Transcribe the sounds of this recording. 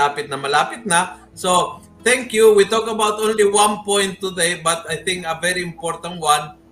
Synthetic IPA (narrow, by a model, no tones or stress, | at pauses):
aːpɪt̪̚nɐmɐlaːpɪt̪̚nɐ | so | t̪ɛ̃ŋkjuwit̪okɐbawt̪ʔõnliwãnpɔ̃jnt̪ːʊd̪ejbɐt̪ajθɪ̃ŋkɐvɛɹiɪmpɔɹt̪ɐ̃nt̪wãn